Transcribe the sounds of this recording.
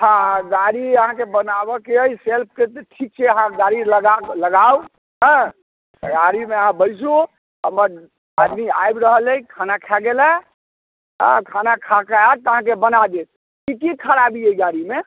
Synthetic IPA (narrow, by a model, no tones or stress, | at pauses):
ɦãɡaɾiəɦãkebənabəkeəjselp̚ʰket̪ʈʰik̚t͡ʃʰɛəɦãɡaɾiləɡaləɡaw | ɦə̃ | ɡaɾimeəɦãbəjsu | ɦəməɾ | ad̪mia̰jbɾəɦələikʰanakʰaɡela | ɦã̰kʰanakʰakaat̪əɦãkebənad͡ʒ̪et̪̚ | kikikʰəɾabiəiɡaɾime